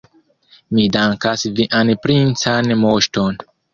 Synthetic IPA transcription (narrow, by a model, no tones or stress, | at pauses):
midaŋkasviʔanpɾint͡sanmoʃto̞n